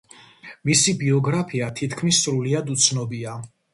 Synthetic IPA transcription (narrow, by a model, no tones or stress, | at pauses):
misibiɔɡɾapʰiat̪ʰit̪ʰkʰmisːɾuliad̪ut̪sʰnɔbia